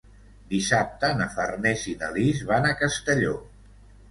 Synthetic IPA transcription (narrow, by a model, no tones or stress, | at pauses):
d̪isap̚t̪ənəfə̰rnɛzinə̰lizβanəkəst̪əʎo